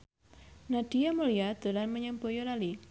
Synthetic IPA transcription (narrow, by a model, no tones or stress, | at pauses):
nad̥ijamuliad̪̥o̤lanməɲəmbojolali